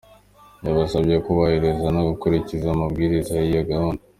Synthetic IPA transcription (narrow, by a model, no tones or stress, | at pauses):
jaβasabjekuβahiɾe̞zanoɡukuɾicizamubɡiːɾizajijoɡahunde